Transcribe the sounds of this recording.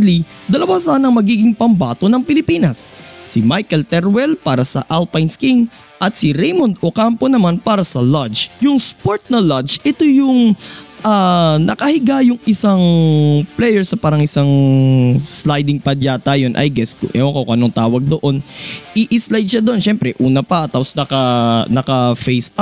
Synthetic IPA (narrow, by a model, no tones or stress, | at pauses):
li | d̪ɐlɐwasaːnɐŋmɐɡiːɡɪŋpɐmbaːt̪onɐŋpɪlɪpiːnɐsːimajkɛlt̪ɛɾwɛlpaːɾɐsɐ̰ʔalpajnskiŋ | ʔɐt̪sɪɾejmond̪okampo̞nɐmanpaːɾɐsɐlad͡ʒjʊŋspoɹt̪̚nɐlad͡ʒʔɛt̪ojʊŋʔanɐkɐhɪɡajʊŋʔɪsaŋplɛjɛɹsɐpaːɾɐŋʔɪsaŋ | slajd̪ɪŋpɐd̪aːt̪ajonʔɐ̰jɡɛskʔɛ̰okowkʔɐnoŋt̪aːwɐɡ̚d̪oʔo̞nʔɪʔɪslajd̪̚ʃad̪oʔonʃɛmpɾɛʔuːnɐpɐt̪aposnɐkɐnɐkɐfejs